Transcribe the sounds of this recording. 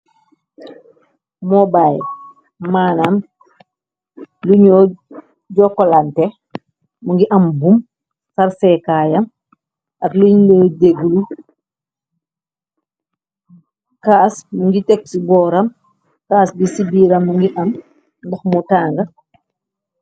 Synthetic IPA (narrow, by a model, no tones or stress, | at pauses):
mɔbaːj | maːnan | luɲɔ | ɟɔkːɔlantɛ | muŋɡiʔɐmbum | saɾsɛkaːjɐm | ʔɐtluɲnɔdeɡulu | kaːsmuŋɡitɛk̚sibɔːɾɐm | kaːsbisibiːɾɐmːuŋɡiʔɐm | ndɐxmutaːŋɡɐ